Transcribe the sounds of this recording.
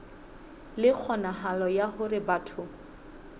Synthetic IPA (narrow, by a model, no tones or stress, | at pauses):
lɪk͡xʰɔnaɦalɔjahʊrɪbaːtʰʊ